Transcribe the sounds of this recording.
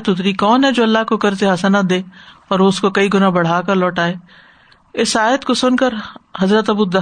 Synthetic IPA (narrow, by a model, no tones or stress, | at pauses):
t̪ʊt̪̬ɾikɔːnɦɛd͡ʒoːɐlːaɦkokɐɾt̪eɦɐsnət̪̚d̪eːɔːɾoʊskokɐiɡʊnabɐɽ̤aːkəɾlɔːʈaːeː | ɪsaːjət̪kosʊnkəɾɦɐzɾət̪ɐbud̪ɐ